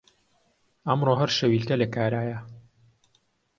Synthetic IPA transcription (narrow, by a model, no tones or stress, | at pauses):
ɐmroːɦɐɾʃɐwiːlkɐlɐkaːɾaːjɐ